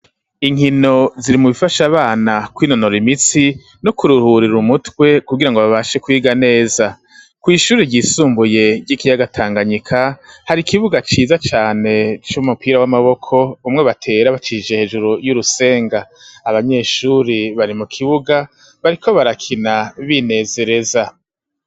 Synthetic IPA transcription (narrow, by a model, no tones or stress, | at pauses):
iŋhino̞ziɾimuβifaʃaβaːnakwiːnonoɾimit͡si | no̞kuɾuhuɾiɾumutwe̞kuɡiɾaŋɡoβaβaʃe̞kwiːɡane̞ːza | kwiːʃuːɾeɟiːsuːmbuje̞ɟikijaɡatʰaːŋɡaɲikʰahaɾikiβuɡat͡ʃiːzat͡ʃaːne̞t͡ʃumupiːɾawamaβo̞kʰo̞umŋe̞βatʰe̞ːɾaβat͡ʃiːd͡ʒe̞he̞ːd͡ʒuɾujuɾuse̞ːŋɡaː | βaɲe̞ːʃuɾiβaɾimukʰiβuɡa | βaɾikʰo̞βaɾakʰinaβine̞ze̞ɾe̞za